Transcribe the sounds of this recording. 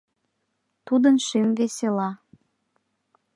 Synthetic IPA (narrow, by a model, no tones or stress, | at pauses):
t̪ud̪ənʃymveselɑ